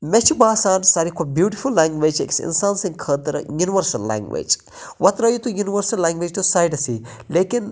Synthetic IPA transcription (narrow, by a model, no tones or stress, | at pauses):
met͡ʃʰubaːsaːnsaːɾikʰobjuːʈifʰulːãːŋɡʋeːd͡ʒḛksɪ̰nsaːnsĩŋkʰəːt̪ɐɾjuniʋəɾsɐlːã̰ːŋɡʋḛːd͡ʒ | ʋɐt̪ɾɐjut̪ujuniʋɐɾsɐlːãːŋɡʋeːd͡ʒt̪usajɖɐsileːkin